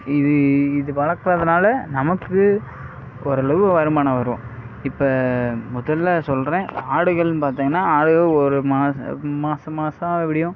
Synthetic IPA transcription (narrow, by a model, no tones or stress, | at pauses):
ɪðɯɪðɯʋɐɭɐkːɐɾɐðɐnaːlɐnɐmɐkːɯ | ɔɾɐɭɐʋɯʋɐɾɯmaːnɐʋɐɾɯõ | ɪpːɐmʊðɐlːasɔlɾẽːaːɽɯɣɐɭnpaːɾt̪iːŋɡɐnːaːaːɽɯɣɐɭɔɾɯmaːsmaːsɐmaːsɐ̃ɛpːɐɽɪjʊ̃